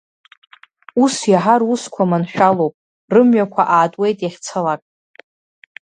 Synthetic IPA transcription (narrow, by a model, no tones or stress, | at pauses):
usjaħaruskʷʰamanħᶣalowpʼ | rɨmɥakʷʰaʔaːtʼwe̞jtʼjaχʲt͡sʰalakʼ